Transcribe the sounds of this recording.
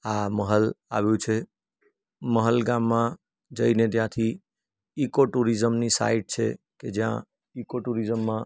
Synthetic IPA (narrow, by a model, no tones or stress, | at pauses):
aməɦəla̰βɛt͡ʃʰɛ | məɦəlɡamːã | d͡ʒəjned̪jãt̪ʰi | ikoʈuɾid͡ʒəmnisa̰iʈ̚t͡ʃʰɛ̰ | ked͡ʒã̰ | ikoʈuɾid͡ʒəmːã